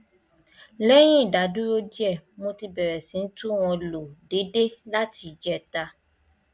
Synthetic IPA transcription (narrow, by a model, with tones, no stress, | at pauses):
lɛ˦j̃ĩ˦i˦˨da˨˦dũ˦ɾo˦di˦ɛ˦˨mo˧ti˧bɛ˨ɾɛ˨sĩ˨˦n̩˦tu˦w̃ɔ̃˧lo˨de˨˦de˦la˦ti˧d͡ʒɛ˧ta˧